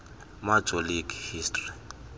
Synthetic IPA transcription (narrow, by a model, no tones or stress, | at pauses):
mat͡sʼolikʼihiːstʼri